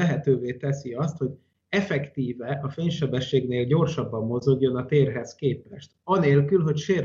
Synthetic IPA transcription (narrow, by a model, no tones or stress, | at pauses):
ɛɦɛt̪øːveːt̪ɛsiɒst̪ho̞ɟ | ɛfɛkt̪iːvɛʔɒfeːɲʃɛbɛʃːeːɡneːlɟo̞rʃɒbːɒmːo̞zo̞ɡjo̞nɒt̪eːrɦɛskeːpɛʃt̪ɒneːlkylɦo̞cʃeːr